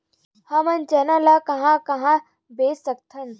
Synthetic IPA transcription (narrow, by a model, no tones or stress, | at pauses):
hamɐnt͡ɕenalakɐɦãkɐɦã | besək̚t̪ʰɐn